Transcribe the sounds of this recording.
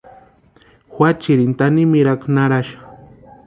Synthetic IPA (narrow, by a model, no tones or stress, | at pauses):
xʷwat͡ʃiɾint̪animiɾaknaɾaʃḁ